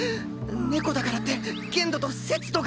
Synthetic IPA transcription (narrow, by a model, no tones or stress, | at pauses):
ne̞ko̞d̪akaɾat̪ːe̞ | ɡẽ̞nd̪o̞t̪o̞se̞t͡sɨ̥t̪o̞ɡ